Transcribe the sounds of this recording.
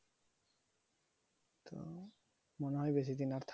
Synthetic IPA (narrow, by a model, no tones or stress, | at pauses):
t̪o̰ | moneɦɔjbes̬it̪̬inaɾt̪ʰ